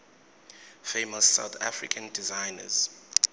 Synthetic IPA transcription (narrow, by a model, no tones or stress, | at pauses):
femɔsːa̰wθʰa̰fɹḭkʰãndizajnə̰z̥